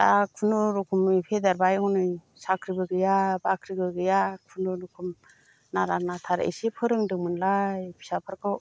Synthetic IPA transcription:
ta̰kʰunuɾukʰumipʰedaɾbajɔnɯj | sakʰɾibɯɡɯjabakʰɾiɡɯɡɯjakʰunuɾukʰum | naɾanatʰaɾḛsepʰɯɾɯŋdɯŋmɯnlajbʰi̥sapʰaɾkʰɯ

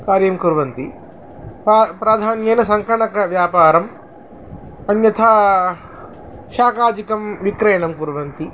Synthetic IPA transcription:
kaːɾjɐmkuɾʋɐnt̪i | pːpɾaːd̪ʱaːnjɐjnɐsɐŋkɐɳɐkɐʋjaːpaːɾɐm | ɐnjɐt̪ʰɐ | ʃaːkaːd͡ʒ̪ikɐmʋikɾɐjɐnɐmkuɾʋɐnt̪i

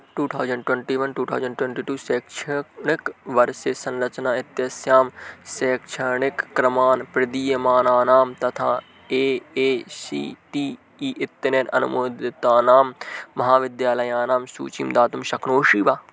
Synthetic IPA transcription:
ʈuːt̪ʰaːwzəɳɖʈwɛ̃ɳʈiːʋɐnʈuːt̪ʰa̰ːwzəɳɖʈwẽɳʈiːʈuːseːkʃʰəɳɪkʋɐɾseːsɐ̃nlɐt͡ʃnaːɪt̪jɐsjaːmseːkʃʰəɳɪkːɾɐmaːnpɾɪd̪iːjɐmaːnaːnaːmt̪ɐt̪ʰa̰ː | eːeːsḭːʈiː | iːʔɪt̪ːəneːnɐ̰nʊ̰moːd̪ɪt̪aːnaːmːɐɦaːʋɪd̪jaːlɐjaːnaːmsṵːt͡ʃḭːmd̪aːt̪ʊmʃɐkʰnoːʃiːʋaː

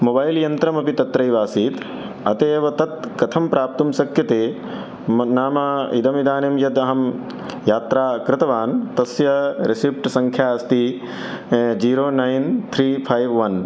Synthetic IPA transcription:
mobaːjljɐnt̪ɾɐmɐpit̪ɐt̪ɾɐjʋaːsiːt̪ | ɐt̪eːʋɐt̪ɐt̪̚kɐt̪ʰɐmpɾaːp̚t̪umsɐkjɐt̪eː | naːmɐḭd̪ɐmid̪aːnemjɐd̪ɐɦɐm | jaːt̪ɾaːkɾɪt̪ɐʋaːnt̪ɐsjɐɾisip̚ʈsɐ̃ŋkʰjaːɐst̪i | d͡ʒiːɾoːnajnt̪ʰɾiːpʰajʋʋɐn

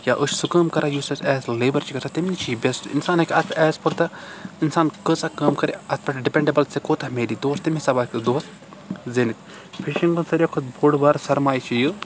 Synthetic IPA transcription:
jaːʔɨt͡ʃʰsukɐːmkɐɾʔajusɐsɛːsleːbɐɾt͡ʃʰikɐt̪ʰat̪imnit͡ʃʰibʲesʈḭnsaːnɐkʲɐt̪ʰpʰɐʔɛːspɐɾt̪ainsaːnkəsakɐːmkɐɾiɐt̪pʰɐʈɖipʲeɳɖɐbɐlt͡sekoːt̪ʰɐmeːdiːd̪oːst̪imʲisɐbaːkɨd̪oːs | zenik̪ | pʰiʃiŋɡɨnsɐɾekʰot̪̚boɽbaːɾsɐɾmaːjt͡ʃʰijɨ

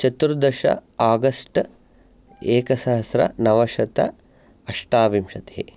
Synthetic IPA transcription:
t͡ʃɐt̪uɾd̪ɐʃɐ̰aːɡɐsʈ | eːkɐsɐɦɐsɾɐ̰nɐʋɐʃɐt̪ɐ̰ | ɐʂʈaːʋimʃɐt̪e̥ːḛ

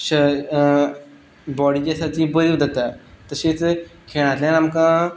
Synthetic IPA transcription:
ɕə | bɔɽiːd͡ʑɛsat̪iːbəɾiʋd͡zat̪at̪əɕet͡skʰeɭ̃at̪lenamka

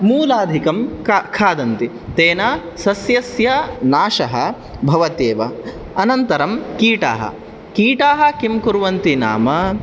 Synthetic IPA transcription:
muːlaːd̪ʱikɐmkʰaːd̪ɐnt̪i | t̪eːna | sɐsjɐsjɐnaːʂɐɦɐ̰ | bʱɐʋɐt̪eːʋɐ | ɐnɐnt̪ɐɾɐmkiːʈa̰ːɦɐ̰ | kiːʈaːɦɐ̆kimkuɾʋɐnt̪ina̰ːmɐ

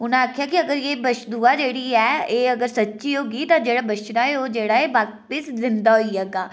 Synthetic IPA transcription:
ʊnãaːkʰjaːkɪəɡəɾjeːbəʃd̪uːaːd͡ʒeːɽiːɛːeːəɡəɾsətːʃiːɦoːɡiːt̪ãːd͡ʒeːɽaːbəʃɾaːeoːd͡ʒeːɽaːeːʋaː | pɪszɪnd̪aːɦoiɦɛːɡaː

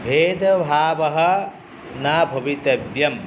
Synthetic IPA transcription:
bʱeːd̪ɐbʱaːʋɐɦɐ̆ | naːbʱɐʋit̪ɐbjɐm

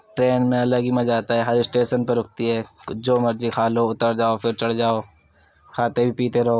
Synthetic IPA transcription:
ʈɾeːnmẽɐləɡimɐ̃d͡ʒaːt̪aɦɛɦɐɾɪsʈeːʃənpɐɾʊkt̪iɦɛːd͡ʒoːmɐɾd͡ʒikʰaːloʊt̪əɾd͡ʒaːofʰɪɾt͡ʃɐɽ̤d͡ʒaːo | kʰaːt̪ebʱipiːt̪eɾɐɦoː

